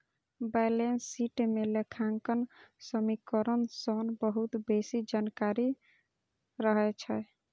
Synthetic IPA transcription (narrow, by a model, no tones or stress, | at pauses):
bajlensːiʈmelekʰaŋkənsəmikəɾənsɔnbəɦut̪besid͡ʒankaɾi | ɾəɦɛt͡ʃʰɛ